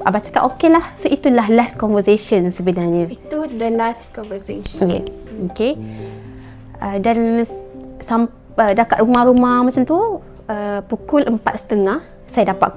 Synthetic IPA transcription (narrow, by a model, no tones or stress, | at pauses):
abat͡ʃḁka̰ʔokelahsoʔit̪ulahlaskɔnvəseʃənsəbənarɲə̃it̪udəlaskɔnvəseʃjḛ | oke | ʔədan | sam | ədakaʔ̪rumahɾumahmat͡ʃamt̪u | ʔəpukʊləmpat̪̚sə̥t̪əŋah | sajadapa̰ʔ